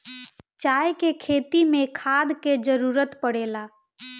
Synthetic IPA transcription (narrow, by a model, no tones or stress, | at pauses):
t͡ʃaːjkekʰeːt̪imẽkʰaːd̪ʱked͡ʒəɾuːɾət̪pəɽeːla